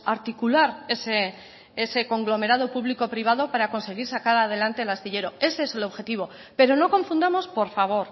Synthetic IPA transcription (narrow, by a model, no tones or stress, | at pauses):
aɾt̪ikulaɾese | ese̞ko̞ŋɡlo̞me̞ɾað̞o̞puβliko̞pɾiβ̞að̞o̞paɾako̞nse̞ɣ̞iɾsakaɾað̞e̞lant̪elast̪iʎe̞ɾo̞e̞se̞ese̞lo̞βxe̞t̪iβ̞o̞ | pe̞ɾo̞no̞kõ̞ɱfund̪amo̞spo̞ɾfaβ̞o̞ɾ